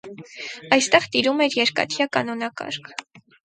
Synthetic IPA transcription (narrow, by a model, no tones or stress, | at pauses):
ɑjst̪ɛʁt̪iɾumɛɾjɛɾkɑ̰t̪ʰjɑkɑnɔnɑkɑ̰ɾkʰ